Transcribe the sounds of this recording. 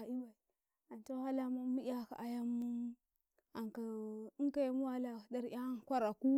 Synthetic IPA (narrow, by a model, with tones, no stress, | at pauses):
a˨i˦wa˨i˨ | a˨n˨t͡ʃo˦ha˦la˦ma˦mu˦ʔa˦ka̰˨ʔa˨ja˦mːu˦ | a˨ŋka˨i˦ŋ˦ka˦jmu˦wa˦la˨da˦ɾʔa˦kʷa˦ɾa˨ku˦